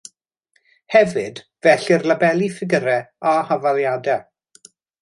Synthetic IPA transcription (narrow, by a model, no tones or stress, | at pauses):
hɛvɨd | vɛɬɪrlabɛlˠifɪɡəɾɛahavalˠjadɛ